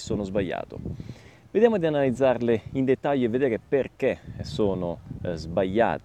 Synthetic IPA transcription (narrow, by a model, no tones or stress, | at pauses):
soːnozbaʎːa̰ːt̪o̰ | ved̪jaːmod̪ianalid̪zarleind̪et̪ːaʎːoevːed̪eɾepːerk̟esoːnozbaʎːa̰ːt̪